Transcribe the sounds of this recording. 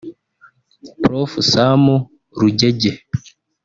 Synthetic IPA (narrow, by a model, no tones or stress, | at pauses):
pɾofusamu | ɾuɟeɟe